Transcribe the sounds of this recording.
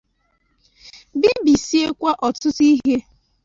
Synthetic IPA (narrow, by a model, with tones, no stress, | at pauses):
bi˦bi˨si˦e˦kʷa˦ʔɔ˨tʊ˦ti˦ɦe˦